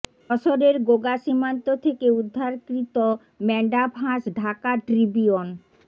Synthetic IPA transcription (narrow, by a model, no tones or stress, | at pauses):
ɔʃoɾeɾɡoɡaʃimant̪ot̪ʰekeud̪ʱːaɾkɾit̪o | mɛɳɖabʰʱãʃɖʱakaʈɾibion